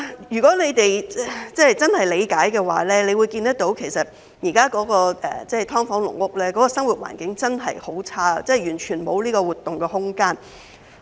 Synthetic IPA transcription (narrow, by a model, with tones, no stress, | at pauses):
jyː˨˩kɔː˨˥le˨˧jt̪e˨jt͡sɛː˥t͡sɐ˥nhɐ˨jle˨˧jkaː˨˥jkɛː˧wa̰ː˨˥lɛː˥le˨˧jwu˨˧jkiː˧nt̪ɐ˥k̚t̪o˨˥wkʰe˨˩jsɐ˨t̚ | jiː˨˩kaː˥kɔː˨˥kɔː˧ʔɛ̰ː˨˩t͡sɛː˥˩t̪ʰɔː˥ŋfɔː˨˥ŋlʊ̰˨˩ŋwʊ˥k̚lɛː˥kɔː˨˥kɔː˧sɐ˥ŋwuː˨t̚wa̰ː˨˩nkɪ˨˥ŋt͡sɐ˥nɦɐ˨jho˨˥wt͡sʰaː˥t͡sɛ˥˩jyː˨˩nt͡ʃʰyː˨˩nmo˨˧wliː˥kɔː˧wuː˨˩t̪ːʊ˨ŋkɛː˧ɦʊ˥ŋkaː˥n